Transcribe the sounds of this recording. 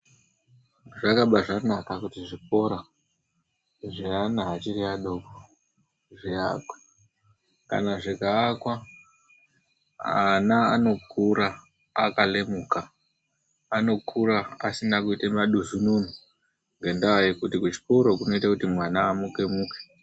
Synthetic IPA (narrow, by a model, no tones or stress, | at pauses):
ʐakaɓaʐanakakutiʐiko̞ɾa | ʐianaɦːt͡ʃiriaɗoko | ʐiakwḁ | ka̰naʐikaːkwa | anaːno̞kʰuɾaː | kale̞mukaː | no̞kʰuɾaa̰sinakuitemaɗuzununu | ŋɡe̞ndawajekutikut͡ʃi̥koɾo̞kuno̞itakutimwanaːmuke̞muːke̥